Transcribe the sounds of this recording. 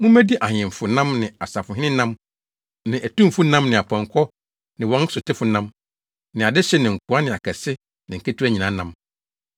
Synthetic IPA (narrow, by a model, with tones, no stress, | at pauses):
mʊ̃˦mæ˦di˦ʔa˨hɪ̃˨m˨fʊ˨nã˦mnɪ̃˨a˨sa˨fʊ˨ɦɪ˦nɪ̃˦nã˦m | nɪ̃˨ʔæ˨tũ˦m˦fʊ˦nã˦mnɪ̃˨a˨pʰɔ̃˨ŋkʰɔ˦ | nɪ̃˨wɔ̃˦n˦sʊ˨tʰɪ˦fʊ˨nã˦m | nɪ̃˨a˨dɪ˦ɕɛ˦nɪ̃˨ŋ̩˨kʰu˨a˦nɪ̃˨a˨kʰɛ˨sɪ˦ | nɪ̃˨ŋ̩˨ke˦tʰu˦æ˦˨ɲĩ˨nã˨˦nã˦m